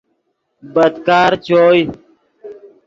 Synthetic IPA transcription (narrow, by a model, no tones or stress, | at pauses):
bəd̪kaːɾt͡ɕoːj